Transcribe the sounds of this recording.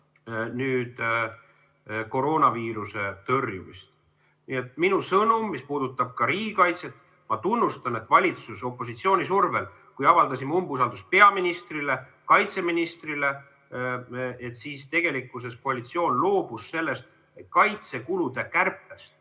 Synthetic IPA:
nyːd̪̥ | ko̞ɾo̞ːnɑviːɾuse̞t̪ɤrjuvḭst̪ | nie̞t̪ːˑminusɤnumːispuːd̪̥ut̪ːˑɑb̥̚kɑɾiːɡikɑjt̪se̞t̪ːˑ | mɑt̪unːust̪ɑne̞t̪ːˑvɑlʲit̪suso̞pːˑo̞s̬it̪sio̞ːnʲis̬urvel | kujɑvɑld̪̥ɑsʲimumbusɑld̪uspe̞ɑminist̪rile̞ | kɑjt̪se̞minist̪rile̞ | et̪ːsiːst̪e̞ɡ̥e̞likːˑus̬e̞sko̞ɑlʲit̪sio̞ːnlo̞ːb̥usːe̞lːe̞st̪ | et̪kɑjt̪se̞kulud̪̥e̞kærpːe̞st̪

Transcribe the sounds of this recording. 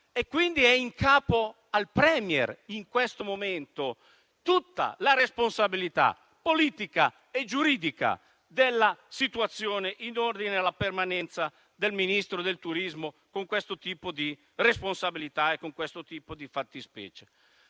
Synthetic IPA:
ekːwind̪iɛiŋkʰaːpo | alpɾɛːmjɛ̰riŋkwɛst̪omomɛnt̪o | t̪ut̪ːa̰laɾesponsabilit̪a̰ | pːoliːt̪ika | ed͡ʒuɾiːd̪ika̰ | d̪elːasit̪uat̪sːjoːneʔinord̪inealːapermanɛnt̪sa | d̪elminist̪ɾod̪elt̪uɾizmo | koŋkwest̪ot̪iːpod̪i | responsabilit̪aekːoŋkwest̪ot̪iːpod̪ifat̪ːispɛ̰ːt͡ʃe̥

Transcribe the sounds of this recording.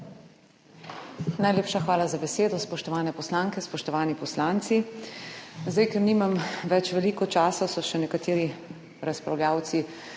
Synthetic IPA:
najleːpʃaxʋaːlazabɛseːd̪ɔspɔʃt̪ɔʋaːnɛpɔslaːŋkɛspɔʃt̪ɔʋaːnipɔslaːnt̪si | zd̪ajkɛɾniːmamʋɛt͡ʃʋɛliːkɔt͡ʃaːsasɔʃɛnɛkat̪eːɾi | ɾaspɾawljaːwt̪si

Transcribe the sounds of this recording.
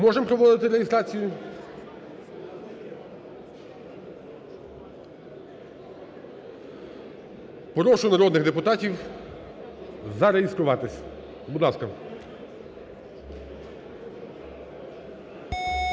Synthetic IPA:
mɔʒɛmpɾɔʋɔd̪ɪt̪ɪɾejist̪ɾɑt͡sʲijʊ | pɔɾɔʃʊnɐɾɔd̪nɪɣd̪epʊt̪ɑtʲiw | zɐɾeist̪ɾʊʋɑt̪ɪsʲ | bʊd̪lˠɑskɐ

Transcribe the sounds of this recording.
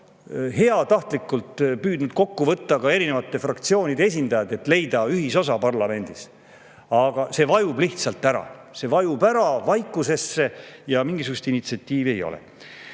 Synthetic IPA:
he̞ɑt̪ɑht̪likːˑult̪pyːd̪nud̪̥ko̞kːuvɤt̪ːɑkɑe̞ɾine̞vɑt̪ːˑe̞frɑkt̪sio̞ːnid̪ees̬ʲind̪ɑjɑd̪e̞t̪le̞jd̪̥ɑyɦiso̞s̬ɑpɑrlɑme̞nʲd̪̥is | ɑɡ̥ɑse̞ːvɑjub̥liht̪sɑlt̪ːˑæɾɑ̰se̞vɑjubæɾɑvɑjkːˑuse̞sːe̞jɑmiŋɡisuɡ̥ust̪init̪siɑt̪ʲːˑiːvie̞jo̞̰lɛ̰

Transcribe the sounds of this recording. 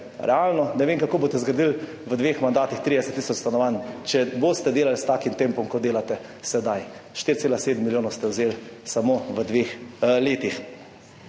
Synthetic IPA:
ɾɛaːlnɔnɛʋeːŋkakoːboːt̪ɛzɡɾad̪il | ʋəd̪ʋeːxmand̪aːt̪ixt̪ɾid̪ɛsɛt̪ːisɔt͡ʃst̪anɔʋant͡ʃɛbost̪ɛd̪eːlalst̪aːkimt̪empɔmkɔd̪eːlat̪ɛsɛd̪ajʃt̪iɾt̪seːlaseːd̪mːiljoːnɔwst̪ɛwzelsamoʋəd̪ʋeːxleːt̪ix

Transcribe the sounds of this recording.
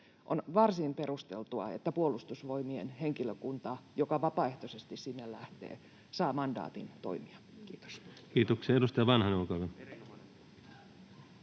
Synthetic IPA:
ʔonʋɑrsimperust̪elt̪uɑ̰ḛt̪ːæpuolust̪usʋoimienheŋkiløkunt̪ɑjokɑʋɑpɑeht̪osest̪issinːellæht̪ḛː | sɑːmɑndɑ̰ːt̪ḭnt̪o̰imiɑ | kiːt̪o̥skiːt̪okseːedust̪ɑjɑʋɑnhɑnɑukɑlɑ

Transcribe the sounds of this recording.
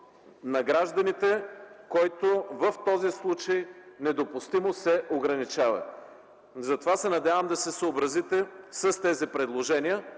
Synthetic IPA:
nɐɡɾaʒd̪ɐnit̪ɛkɔjt̪ovəft̪ɔzislˠut͡ʃəjnɛd̪opust̪imosɛʔoɡɾɐnit͡ʃavɐ̰ | zɐt̪ovasɛnɐd̪ʲavəmd̪ɐsɛsəobɾɐzit̪ɛsəst̪ɛzipɾɛd̪lˠoʒɛniə

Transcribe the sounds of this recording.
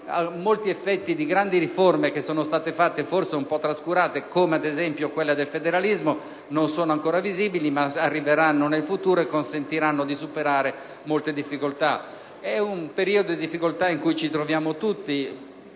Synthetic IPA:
amːolt̪iɛfːɛt̪ːid̪iɡɾand̪iɾiformekesːɔːnost̪aːt̪efat̪ːeforseumpɔt̪ːɾaskuɾaːt̪ekoːmead̪ezɛmpjokwelːad̪elfed̪eɾalizmo | nonsɔːnoaŋkoːɾaviziːbilimaarːiveɾanːonelfut̪uːɾoɛkːonsent̪iɾanːod̪isupeɾaːɾe | molt̪ed̪ifːikolt̪a | ɛumpeɾiːod̪od̪id̪ifːikolt̪aiŋkujt͡ʃit̪ɾovjaːmot̪ut̪ːi

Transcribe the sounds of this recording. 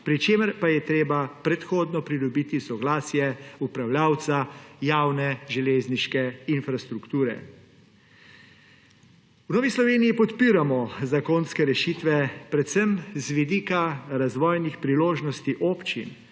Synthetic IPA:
pɾit͡ʃeːməɾpajɛt̪ɾeːbapɾɛt̪xoːd̪nɔpɾid̪ɔbiːt̪isɔɡlaːsjɛupɾawljaːwt̪sajaːwnɛʒɛleːzniʃkɛinfɾast̪ɾukt̪uːɾɛ̰ | wnɔːʋislɔʋeːnijipɔt̪piːɾamɔzakoːnskɛɾɛʃit̪ʋɛpɾɛt̪sɛmzʋid̪iːkaɾazʋɔːjnixpɾiloːʒnɔst̪iʔoːpt͡ʃḭn

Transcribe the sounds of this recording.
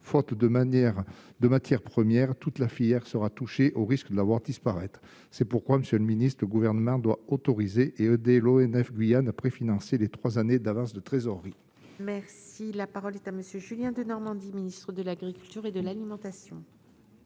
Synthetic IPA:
fɔt̪d̪əmɛʁd̪əmat̪jɛʁpχəmjɛʁt̪ut̪lafiljɛʁsəʁat̪uʃeʔoʁiskəd̪əlavwaʁd̪ispaʁɛt̪χ | sɛpuʁkwaməsjøləminist̪χələɡuvɛʁnəmɑ̃d̪waot̪ɔʁizeʔeød̪eloɛnɛfɡɥijanapχefinɑ̃selet̪χwazaned̪avɑ̃sd̪ət̪χezɔʁːi | mɛʁsilapaʁɔlɛt̪aməsjøʒyljɛ̃d̪ənɔʁmɑ̃d̪iminist̪χəd̪əlaɡʁikʲylt̪yʁed̪əlalimɑ̃t̪asjɔ̃

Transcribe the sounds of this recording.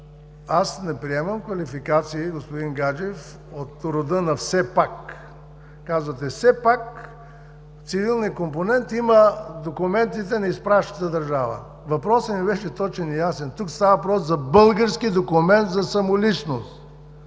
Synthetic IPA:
asnɛpɾiɛmɐmkvɐlifikat̪siiɡospʊd̪inɡad͡ʒɛf | ot̪ɾod̪ənɐfsɛpakː | azvɐt̪ɛfsɛpak | t̪sivilˠnijəkomponɛnt̪iməd̪okʊmɛnt̪it̪ɛnɐispɾaʃnət̪əd̪ɐɾʒavə̰ | vɐpɾɔsəmibɛʃɛt̪ɔt͡ʃɛnijasɛnt̪ukst̪avɐvɐp̬ɾɔsːɐbɤlˠɡəɾskid̪okumɛnt̪zɐsɐmolit͡ʃnost̪

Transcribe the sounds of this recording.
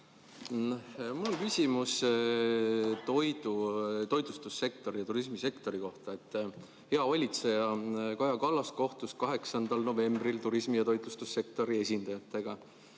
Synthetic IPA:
hmulkysʲimus | t̪o̞jd̪ut̪o̞jd̪̥ust̪usːe̞k̚t̪o̞ɾijɑt̪uɾis̬mise̞kt̪o̞ɾiko̞ht̪ɑe̞t̪ːˑ | he̞ɑvɑlʲit̪se̞jɑkɑjɑkɑlːɑsko̞ht̪uskɑɦe̞ksɑnd̪̥ɑlno̞ve̞mbrilt̪uɾismijɑt̪o̞jd̪̥lust̪usːe̞k̚t̪o̞ɾie̞sʲind̪̥ɑjɑt̪ːˑe̞ɡ̥ɑ

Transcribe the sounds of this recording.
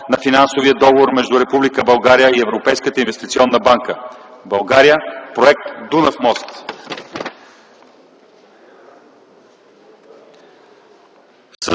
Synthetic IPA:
nɐfinansovijəd̪ɔɡovoɾmɛʒd̪uɾɛpublikəbɐlˠɡaɾijəiɛvɾopɛjskət̪əinvɛst̪it̪siɔnːəbaŋkəbɐlˠɡaɾijəpɾoɛk̚t̪d̪unəfmɔst̪ | s

